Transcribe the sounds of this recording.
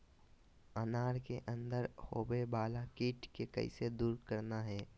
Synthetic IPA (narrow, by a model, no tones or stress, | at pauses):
ənaːɾkeʔə̃nd̪əɾhoːbebaːlakiːʈkekə̰ised̪uːɾkəɾnaɦɛː